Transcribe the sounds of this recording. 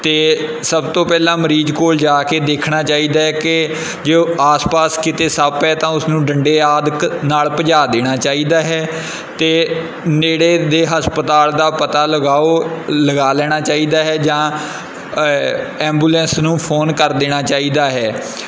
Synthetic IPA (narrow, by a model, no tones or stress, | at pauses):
t̪eːsəbt̪õːpɛːlãːməɾiːd͡ʒkoːld͡ʒaːkeːd̪eːkʰɽ̃aːt͡ʃaːiːd̪aːɦɛːkɪ | d͡ʒoːaːspaːskɪt̪eːsaːpɦɛːt̪ãːʊsnũːɖəɳɖeːaːd̪knaːlpəd͡ʒaːd̪eːɽ̃aːt͡ʃaːiːd̪aːɦɛː | t̪eː | neːɽeːd̪eːɦəspət̪aːld̪aːpət̪aːləɡaːoːləɡaːlɛːɽ̃aːt͡ʃaːiːd̪aːɦɛːd͡ʒãː | ɛ̃ːmbuːlɛ̃ːnsnũːpʰoːnkəɾd̪eːɽ̃aːt͡ʃaːiːd̪aːɦɛː